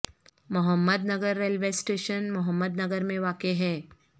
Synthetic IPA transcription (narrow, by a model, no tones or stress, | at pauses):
mʊɦəmːəd̪nɐɡəɾːelʋesʈeːʃənmʊɦəmːəd̪nɐɡəɾmẽʋaːkeɦɛː